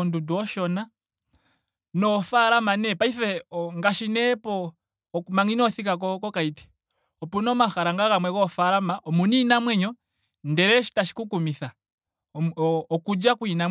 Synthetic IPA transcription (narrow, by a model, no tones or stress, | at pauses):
ɔnduduɔʃɔna | nɔfaɾamanɛpaifɛŋɡaʃinɛpɔ | maŋinɔθikak̬ɔkɔkaiti̥ | ɔpunɔmaxaɾaŋɡaɣamwɛkɔfaɾamaʔɔmuninamwɛɲɔ | ndɛɾɛʃi̥taʃi̥kukumiθa | ɔkud͡ʒakuinam